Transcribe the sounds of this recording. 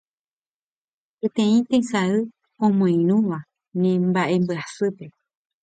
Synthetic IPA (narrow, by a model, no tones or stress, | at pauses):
pet̪ẽĩt̪ẽsaɨ | õmõĩɾ̃ũʋa | nẽmbaʔe̞mbɨasɨpe̞